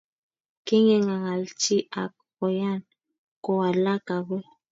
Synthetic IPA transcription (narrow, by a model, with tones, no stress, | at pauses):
ke˦ŋɛ˨ŋa˨ɣa˨lt͡ʃi˦ʔa˨k̚ | kɔ˨ja˦˨n | ko˨wa˨la˦ka˨ɣwɛ˦